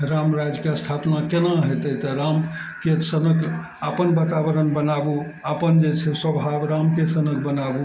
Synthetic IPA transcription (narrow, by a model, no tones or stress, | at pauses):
ɾamɾad͡ʒkeəst̪ʰapnakenaɦet̪ət̪əɾam | kesənəkʰ | apənbat̪abəɾənbənabu | apənd͡ʒet͡ʃʰɛsəbʱabɾamkesənək̚ʰbənabu